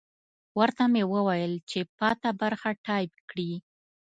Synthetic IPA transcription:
wəɾt̪amewəwajəlt͡ʃepɑt̪abaɾxaʈɑjpkɽi

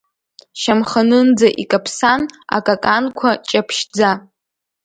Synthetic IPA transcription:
ʃamχanɨnd͡zaʔikʼapʰsana̰kʼakʼankʷʰat͡ʃʼapʰʃd͡za

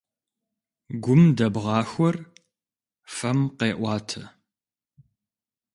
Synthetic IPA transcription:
ɡʷʊmdɐbʁɑːxʷɔr | fɐmqeːʔʷɑːtʰɐ

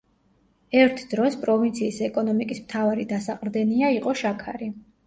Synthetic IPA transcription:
ɛɾt̪ʰd̪ɾɔspʼɾɔvint̪sʰiːsɛkʼɔnɔmikʼismt̪ʰavaɾid̪asaqʼɾd̪ɛniaiqʼɔʃakʰa̰ɾi

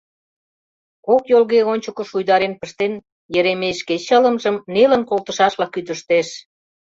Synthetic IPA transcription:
kokjolɣeonʲt͡ɕəkə̆ʃujd̪ɑɾenpəʃt̪en | jəɾemeʃket͡ɕələ̆mʒəmnelə̆nkolt̪ə̆ʃɑʃlɑkːyt̪əʃt̪eʃ

